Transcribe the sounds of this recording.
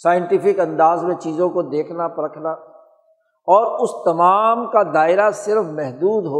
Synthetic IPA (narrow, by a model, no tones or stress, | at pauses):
saːjɪ̃ɳʈɪpɪkɐ̃nd̪aːzmẽt͡ʃiːzõkod̪eːkʰnapɐɾəkʰnaː | ɔːɾʊst̪ɐmaːmkad̪aːɪɾasɪɾfmɛɦd̪uːd̪ɦo